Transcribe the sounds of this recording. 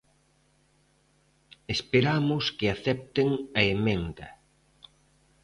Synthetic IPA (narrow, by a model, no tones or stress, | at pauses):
espeɾamʊskɪaθɛp̚t̪eŋɐemẽnd̪ɐ